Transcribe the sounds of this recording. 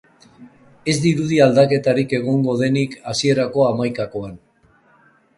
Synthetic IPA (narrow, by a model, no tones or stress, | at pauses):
e̞zd̪iɾuðiald̪ake̞t̪aɾike̞ɣ̞o̞ŋɡo̞ðe̞nikasie̞ɾako̞amajkako̞an